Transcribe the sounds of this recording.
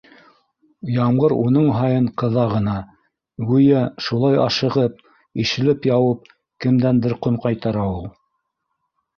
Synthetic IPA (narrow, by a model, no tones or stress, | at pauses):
jɑmʁɤɾunɤɴɦɑjɤɴqɤ̆ðɑʁɤ̆nɑ | wʉjæʃulˠɑjɑ̰ʃɤ̆ʁɤp̚ | iʃɘ̆lɘpjɑwɤp̚ | kɘ̆md̪ænb̪ɘɾqomqɑjt̪ɑɾɑwɤ